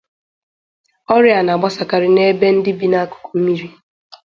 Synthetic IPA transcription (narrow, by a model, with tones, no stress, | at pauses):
ɔ˦ɾja˨na˨ɡ͡ba˦sa˨ka˨ɾɪ˦ne˦be˦n̩˦dɪ˦bi˦na˦a˦kʊ̥˨ko˨m̩˦mi˦ɾi˦